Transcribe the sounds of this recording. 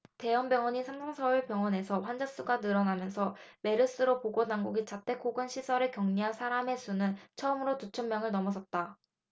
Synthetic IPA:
te̞ʌmbjʌŋwʌɲisʰamsʰʌŋsʰʌuɭpjʌŋwʌne̞sʰʌɸwand͡ʑas͈uɡanɯɾʌnamjʌnsʰʌme̞ɾɯs͈ɯɾopoɡonaŋɡuɡit͡ɕat͈ʰe̞k͈ʰoɡɯnɕʰisʰʌɾekjʌŋɲiɦansʰaɾame̞sʰunɯnt͡ɕʰʌɯmɯɾotut͡ɕʰʌmmjʌŋɯɭnʌmʌsʰʌt̚t͈a

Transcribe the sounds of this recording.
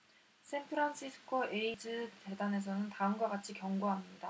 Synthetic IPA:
sʰenpʰɯɾanɕʰisʰɯ̥kʰoʔe̞id͡ʑɯte̞dane̞s̬ʰʌnɯntaɯmɡwaɡat͡ɕʰikjʌŋɡoɦamɲida

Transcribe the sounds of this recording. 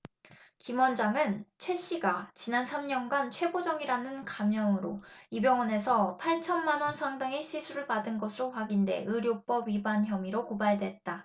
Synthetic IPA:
kimwʌnd͡ʑaŋɯnt͡ɕʰwe̞ɕ͈iɡat͡ɕinansʰamɲʌnɡant͡ɕʰwe̞bod͡ʑʌŋiɾanɯnkamjʌŋɯɾoibjʌŋwʌne̞sʰʌpʰaɭt͡ɕʰʌnmanwʌnsʰaŋdaŋe̞ɕʰisʰuɾɯɭpadɯnɡʌsʰɯɾoɸwaɡinde̞̰ʔɯɾjop͈ʌbɥibançjʌmiɾokobaɭdwe̞t̚t͈a

